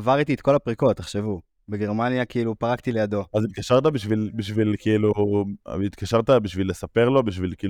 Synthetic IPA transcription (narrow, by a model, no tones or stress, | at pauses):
avaʁit̪iet̪ko̞lapʁiko̞t̪ːeχʃe̞vu | be̞ɡe̞ʁmanjakeilupaʁakt̪ile̞jad̪o̞azit̪̚kaʃaʁt̪abiʃvilbiʃvilkiilu | it̪kaʃaʁt̪abiʃvilːesape̞ʁlo̞biʃ̬vilkiː